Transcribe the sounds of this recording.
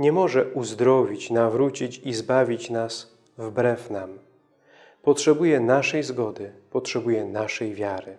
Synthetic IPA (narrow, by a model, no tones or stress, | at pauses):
ɲɛmɔʐɛʔuzd̪ɾɔvʲit͡ɕnavɾut͡ɕit͡ɕizbavʲit͡ɕnas | vbɾɛfnam | pɔtʂɛbujɛnaʂɛjzɡɔd̪ɘpɔtʂɛbujɛnaʂɛjvʲjaɾɘ